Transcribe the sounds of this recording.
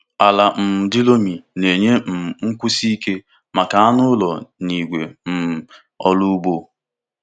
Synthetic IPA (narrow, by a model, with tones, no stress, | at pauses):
a˨la˨m̩˨dɪ˦lo˦mi˨ne˨ɲe˦m̩˨ŋ̩˦kʷu˦si˦ke˦ | ma˨ka˨a˦nʊ˦lɔ˨ni˨ɡʷḛ˨m̩˨ | ɔ˦lu˦ɡ͡bo˦